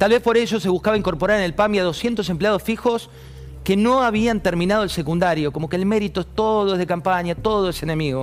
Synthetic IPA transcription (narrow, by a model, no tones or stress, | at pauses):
t̪alβe̞spo̞ɾeʒo̞se̞βuskaβaiŋko̞ɾpo̞ɾaɾenelpamjaðosje̞nt̪o̞sempleað̞o̞sfixo̞s | keno̞aβ̞iant̪eɾmĩnað̞oelsekund̪aɾjo̞ko̞mo̞keːlme̞ɾit̪oest̪oðoezðekampaɲat̪o̞ðoesene̞miɣo